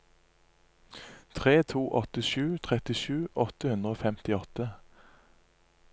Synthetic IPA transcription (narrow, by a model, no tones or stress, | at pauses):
t̪ʰʁeːt̪ʰuːʔɔt̪əʃʉːt̪ʰʁɛt̪ɪʃʉːʔɔt̪əhʉnd̪ʁəoːfɛmt̪ɪɔt̪ə